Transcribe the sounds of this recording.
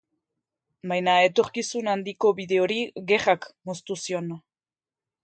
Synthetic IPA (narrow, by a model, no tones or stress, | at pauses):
bajnae̞t̪o̞ɾkisunand̪iko̞βiðe̞o̞ɾiɣe̞rakmost̪usio̞n